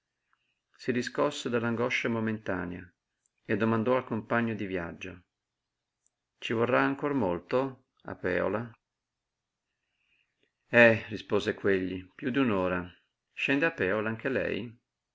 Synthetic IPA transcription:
sid̪iskɔsːed̪alːaŋɡɔʃːamoment̪aːnea | ed̪ːomand̪ɔalkompaɲːod̪ivja̰d͡ʒːo | t͡ʃivorːaːŋkormolt̪o | a̰pːɛ̰ːo̰la | ɛrispoːzekweʎːipjud̪unoːɾa | ʃɛnd̪eapːɛːolaaŋk̟elɛ̰j

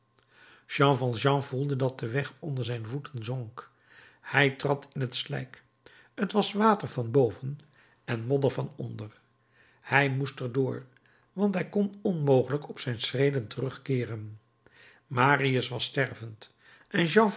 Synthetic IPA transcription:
ʒɑ̃vɑ̃lʒɑ̃vulˠdədɑt̚dəʋɛχɔndəɹzɛjnvutənzɔŋk | hɛjtrɑtʰɪnətslɛ̰jk | ətʋɑsʋaːtəɹvɑnbowvən | ɛnmɔdəɹvɑnɔ̰ndər | hɛjmustəɹdʊːɹ | ʋɑntɦɛjkɔnɔnmowχələkɔpsɛjnsrejdəntərɵχkɪːrən | maːriəsʋɑstɛɹvənt | ʔɛnʒɑ̃

